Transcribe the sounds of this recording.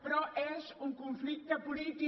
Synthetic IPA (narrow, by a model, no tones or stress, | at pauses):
pɾɔʔɛʃũŋkõflit̪ɐpulit̪i